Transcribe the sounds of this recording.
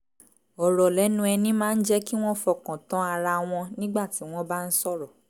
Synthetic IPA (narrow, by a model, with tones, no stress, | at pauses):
ɔ˨ɾɔ˨lɛ˨˦nũ˧˦ɛ˧nĩ˦mãː˦˧n̩˦d͡ʒɛ˦ki˦w̃ɔ̃˦fɔ˨kɔ̃˨tɔ̃˨˦a˧ɾa˧w̃ɔ̃˧nĩ˦ɡ͡ba˦˨ti˨˦w̃ɔ̃˦ba˦n̩˦sɔ˦˨ɾɔ˨